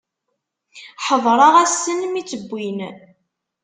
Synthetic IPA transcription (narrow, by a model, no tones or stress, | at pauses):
ħəðˤɾˤɑʁæsənmit͡sːəbʷːin